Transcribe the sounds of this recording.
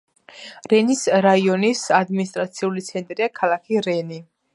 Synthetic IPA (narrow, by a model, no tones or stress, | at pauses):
ɾɛnisɾaiɔnisad̪minist̪ʼɾat̪sʰiulit̪sʰɛnt̪ʼɾiakʰalˠakʰiɾɛni